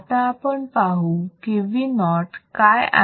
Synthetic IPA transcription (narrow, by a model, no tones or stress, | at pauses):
t̪aːpəɳpaɦukiʋinɔʈkaja̰